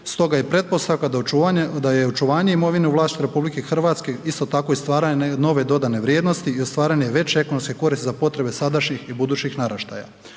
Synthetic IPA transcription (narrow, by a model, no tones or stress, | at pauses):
st̪o̞ɡajepɾe̞t̪̚po̞st̪aʋkad̪d̪ajeot͡ʃuʋaːɲe̞imo̞ʋineuʋlˠaːst̪it̪eɾe̞publikexr̩ʋat̪ske̞ist̪o̞t̪ako̞ist̪ʋaːɾaɲeno̞ʋe̞d̪o̞d̪ane̞ʋɾjeːd̪nost̪iiost̪ʋaːɾaɲe̞ʋe̞t͡ɕeeko̞nomskeko̞ɾist̪ezapo̞t̪ɾe̞be̞sad̪aʃɲixibud̪uːt͡ɕixnaɾaʃt̪a̰ja̰